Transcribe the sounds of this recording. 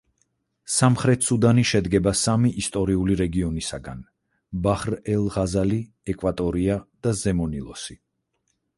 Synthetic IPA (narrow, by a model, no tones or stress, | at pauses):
samχɾɛt̪ʰsud̪aniʃɛd̪ɡɛbasamiʔːst̪ʼɔɾiuliɾɛɡiɔnisaɡan | baχɾɛlˠʁazali | ɛkʼwat̪ʼɔɾiad̪̥azɛmɔnilˠɔ̰si